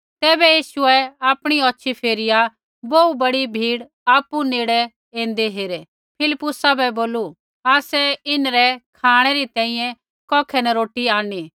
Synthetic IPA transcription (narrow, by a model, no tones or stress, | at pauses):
t̪ɛːbɛjiːʃʊɛaːpɽ̃iɔtːʃʰipʰeːɾɪja | boubɐɽibʱiːɽ | aːpuneːɽɛ | ẽːn̆d̪eɦeːɾe | pʰɪlɪpːʊsabɛboːlu | aːsɛɪnɾɛkʰaːɽ̃ɛɾit̪ɛ̃ːĩjɛ̃ | kɔːkʰɛnɛɾoːʈiaːɽ̃i